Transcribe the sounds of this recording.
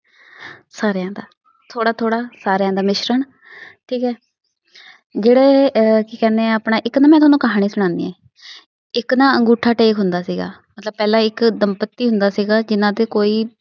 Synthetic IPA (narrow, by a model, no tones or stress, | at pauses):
saːɾejãːd̪aː | t̪ʰoːɽaːt̪ʰoːɽaːsaːɾejãːd̪aːmɪʃɾəɳ | ʈʰiːkɦɛː | d͡ʒeːɽeːkiːkɛ̃ːnd̪eːɛ̃ːaːpnaːʔɪknaːmɛ̃ːt̪ʊɦːnũːkəɦaːɽ̃iːsʊɽ̃ãːnd̪ḭːɦɛ̃ː | ɪknãːəŋɡuːʈʰːaːʈeːkɦʊnd̪aːsiːɡa̰ːmət̪ləb̚pɛːlãːɪkd̪əmpət̪ːiːɦʊ̃nd̪aːsiːɡaːd͡ʒɪnãːt̪eːkoːiː